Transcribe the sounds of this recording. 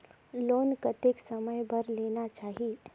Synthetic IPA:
loːnkət̪eksəməjbʱəɾleːnat͡ʃaːɦi

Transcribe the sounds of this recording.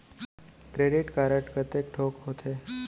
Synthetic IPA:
kɾeɖiʈkaɾəʈkət̪ek̚ʈʰokɦot̪ʰe

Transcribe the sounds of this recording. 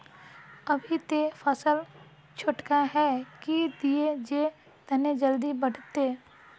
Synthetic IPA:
ɐbʱit̪epʰəsəl | t͡ʃʰʊʈkaɦɛkid̪ied͡ʒe | t̪ɛned͡ʒəld̪ibəɽ̤t̪eː

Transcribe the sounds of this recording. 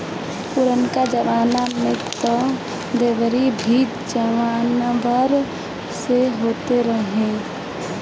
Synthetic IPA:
pʊɾənkad͡ʒəʋaːnamẽt̪ɔ | d̪eːʋəɾibʱiː | d͡ʒəʋaːnʋəɾ | seɦoːt̪eɾəɦẽ

